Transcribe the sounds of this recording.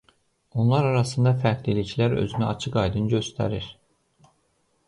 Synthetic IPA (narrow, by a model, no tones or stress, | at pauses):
o̞nlˠɑɾɑɾɑsɯnd̪ɑfæɾklilicʰlæɾø̰zynæɑt͡ʃʰɯkɑjd̪ɯnɟø̞st̪ʰæ̰ɾiɾ̥